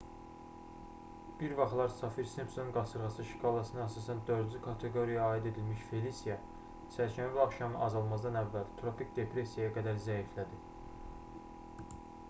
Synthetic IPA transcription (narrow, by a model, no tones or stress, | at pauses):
b̥iɾvɑχlˠɑɾsɑfiɾsimsonunɡɑsɯɾʁɑsɯʃi̥kʰɑːlˠɑsɯnɑæsɑsænd̪ø̞ɾd̪zykʰɑt̪ʰe̞ɡo̞ɾijɑːid̪e̞d̪ilmiʃfe̞lisijɑ | sʰæɾʃʰænvilɑχʃɑmɯʔɑzɑlˠmɑzd̪ɑnævːælt̪ʰɾo̞pikd̪e̞pʰɾe̞sijɑjɑɡæd̪æɾzæiflæd̪i